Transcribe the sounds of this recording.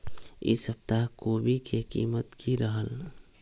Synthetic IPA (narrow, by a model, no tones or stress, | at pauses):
ɪ̰səb̚t̪aɦkoːbʱikekḭːmət̪kiɾəɦəl